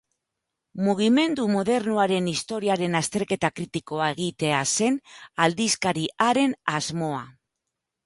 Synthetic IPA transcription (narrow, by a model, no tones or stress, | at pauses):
muɣ̞ime̞nd̪umoðe̞ɾnuaɾe̞nist̪o̞ɾiaɾe̞nast̪e̞ɾke̞t̪akɾit̪iko̞ae̞ɣ̞it̪e̞ase̞nald̪iskaɾiaɾe̞nazmo̞a